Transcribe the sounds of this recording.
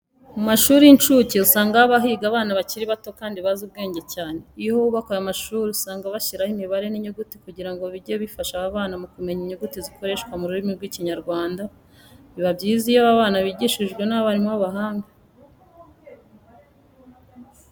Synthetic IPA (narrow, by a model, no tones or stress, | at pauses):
mumaʃuːɾiint͡ʃuceusaːŋɡaaβaɦiɡaːβaːnaβaciɾiβato̞kaːndiβazuβ̚ɡe̞ːɲɟe̞caːne̞ihouβakojamaʃuːɾiusaːŋɡaβaʃiɾahimiβaɾe̞niɲuɡutikuɟiɾaŋɡoβiɾɟeβifaʃaaβaːnamukume̞ɲiɲuɡutiziko̞ɾe̞ːʃkwamuɾuɾimiɾɡwiːciɲaɾɡwaːnda | βiβabjiːzijaβaβaːnaβiɟiʃiʒɡwe̞naβaɾimwaβaɦaːŋɡa